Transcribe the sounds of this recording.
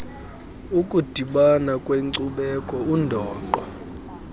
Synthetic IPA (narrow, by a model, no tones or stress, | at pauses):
ukʼud̥ʱiɓanakʼweŋǀuɓɛkʼɔundʱɔːǃɔ